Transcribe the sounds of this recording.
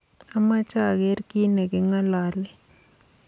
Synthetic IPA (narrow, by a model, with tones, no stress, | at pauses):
a˦ma˦t͡ʃa˦˨ɣe˦ɾki˦nɛ˨kɪ˨ŋa˦la˨lɛ˦